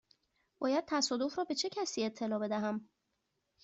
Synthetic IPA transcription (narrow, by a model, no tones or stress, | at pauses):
b̥ɒːjæd̪̚t̪ʰæsɒːd̪o̞fɾɒːbe̞t͡ʃʰe̞cʰæsiːe̞t̪ʰːe̞lɒːbe̞d̪æɦæm